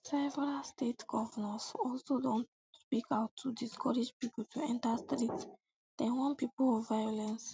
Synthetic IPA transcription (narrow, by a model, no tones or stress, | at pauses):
sɛvɛɹalstetɡ̥ɔvənasɔlsodõnt | spikaʊtʰːudiskʰɔɹed͡ʒpipul̩tʰuɛ̃ntastɾits | d̥ɛ̃nwɔ̃npiplɔvajɔlɛ̃ns